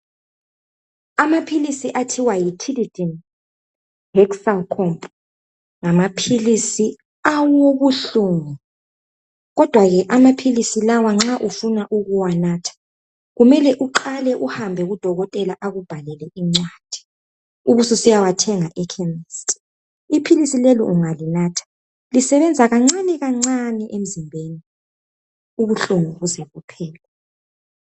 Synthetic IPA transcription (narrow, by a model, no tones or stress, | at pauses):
amapʰilisiʔatʰiwajitʰilid̥in | hɛksalkʰɔmpʼ | ŋamapʰilisi | awoɣuɬuŋu | ɣɔd̥ʱwaɣɛʔamapʰilisilawaŋ͡ǁaʔufunaʔuɣuwanaːtʰḁ | ɣumɛlɛʔuǃalɛʔuhambʱɛɣud̥ʱɔɣɔtʼɛlaʔaɣub̥ʱalɛlɛʔiŋ͡ǀwaːd̥ʱi̥ | uβususijawatʰɛŋaʔɛkʰɛmistʼ | ipʰilisilelḭʔuŋalinaːtʰḁ | lisɛβɛnd͡zʱaɣaŋ͡ǀaniɣaŋ͡ǀaniʔem̩zimbʱeni | uβuɬuŋuɣuzɛβupʰɛːlɛ